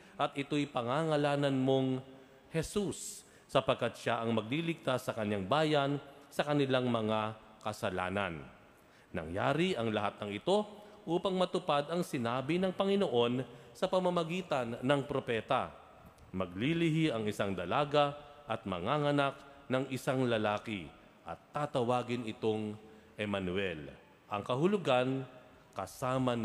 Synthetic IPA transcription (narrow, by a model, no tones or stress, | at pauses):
ʔɐt̪ʔɪt̪o̞jpɐŋaːŋɐlaːnɐnmo̞ŋ | hɛsusː | ɐpɐɡ̚kat̪̚ʃaʔɐŋmɐɡ̚lilɪɡ̚t̪asːɐkɐɲːaŋbaːjɐnsɐkɐnɪlaŋmɐŋa | kɐsɐla̰ːnɐ̰nː | ɐ̰ŋja̰ːɾiʔɐŋlɐhat̪̚nɐŋɪt̪o̞ | ʔuːpɐŋmɐt̪ʊpad̪ɐŋsɪnaːbinɐŋpɐŋɪno̞ʔo̞nsɐpɐmɐmɐɡiːt̪ɐnːɐŋpɾo̞pɛːt̪ɐ̰ | mɐɡlilɪɦiʔɐŋɪsaŋd̪ɐlaːɡɐʔɐt̪̚mɐŋaŋɐnak̚nɐŋʔɪsaŋlɐlaːkɪ | ʔɐ̰t̪ːaːt̪ɐwaːɡɪnɪt̪o̞ŋ | ʔɛmanwɛl | ʔɐ̰ŋkɐɦʊlʊɡan | kɐsaːmɐn